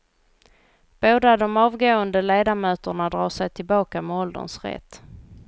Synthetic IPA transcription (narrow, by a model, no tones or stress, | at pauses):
b̥oːd̪ad̪ɔmɑːvɡoːənd̪əleːd̪amøːt̪əɳad̪ɾɑ̰ːʂɛjt̪ʰɪlbɑːkamɛɔld̪ə̰nsɾɛ̰t̪ː